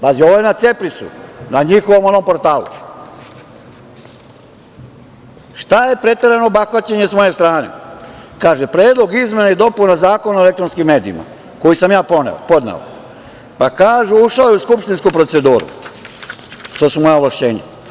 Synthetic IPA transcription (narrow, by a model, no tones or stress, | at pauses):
bazioʋojenat̪sepɾit̪sṵnaɲixoʋo̞mo̞no̞mpo̞ɾt̪aːlṵ | ʃt̪aje̞pɾe̞t̪eɾenobaxʋat͡ɕeɲe̞smo̞je̞st̪ɾaːnḛkaːʒepɾe̞ːd̪lˠo̞ɡizme̞najed̪o̞punazaːko̞naoelekt̪ɾonskimːe̞ːd̪ḭḭma̰ | ko̞jisamjaːponḛpo̞d̪nḛo̰ | pakaːʒuuʃaojeuskupʃt̪inskupɾo̞t̪se̞d̪uːɾṵ | t̪o̞ːsumojaoʋlaʃt͡ɕeːɲa̰